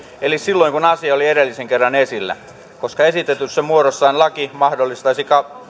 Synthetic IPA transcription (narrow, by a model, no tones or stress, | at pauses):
elissilːoiŋkunɑsiɑolieɾelːiseŋkerːɑnesilːæ̰ | koskɑesit̪et̪yssæmuoɾosːɑinlɑkimɑhdolːist̪ɑisikɑ